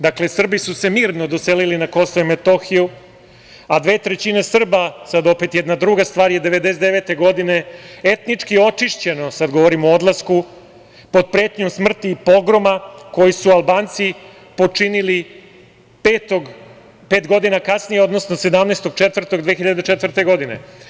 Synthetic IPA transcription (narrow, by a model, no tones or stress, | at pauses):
d̪akle̞sr̩bisuse̞miːɾnod̪oselilinako̞soʋimet̪o̞xiju | ad̪ʋe̞ːt̪ɾet͡ɕine̞sr̩basad̪o̞pe̞t̪jɛd̪nad̪ɾuɡast̪ʋaːɾjed̪eʋe̞d̪esed̪eʋe̞t̪e̞ɡo̞d̪ine̞et̪nit͡ʂkio̞t͡ʂiʂt͡ɕe̞no̞sad̪ɡoʋoɾimood̪lˠasku | po̞d̪̚pɾeːt̪ɲomsmr̩t̪iːpo̞ɡɾo̞mako̞jisualˠbaːnt̪si | po̞t͡ʂinili | peːt̪oɡ | peːt̪ɡo̞d̪inakasnijeo̞d̪no̞sno̞sed̪amnest̪o̞ɡt͡ʂet̪ʋr̩t̪oɡd̪ʋeːxiʎad̪et͡ʂet̪vr̩t̪e̞ɡo̞d̪ine̞̰